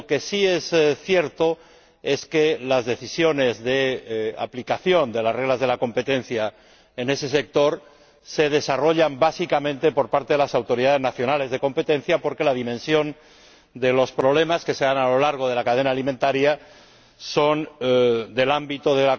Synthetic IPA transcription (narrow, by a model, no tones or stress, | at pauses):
ke̞sie̞sθje̞ɾt̪o̞ | e̞ske̞lazðe̞θisjo̞ne̞zðe̞a̰plikaθjo̞nd̪e̞lasre̞ɣlazð̞e̞lako̞mpe̞t̪e̞n̟θja | ene̞se̞sek̚t̪o̞ɾ | se̞ð̞e̞saro̞ʎambasikamẽnt̪e̞po̞ɾpaɾt̪eðelasawt̪o̞ɾiðaðeznaθjo̞nale̞zðe̞ko̞mpe̞t̪ẽ̞n̟θjapo̞ɾke̞laðimẽnsjo̞n | d̪elo̞spɾo̞β̞le̞maske̞se̞analo̞laɾɣ̞o̞ð̞e̞lakaðe̞naːlimẽnt̪aɾja | so̞nd̪e̞lambit̪oðela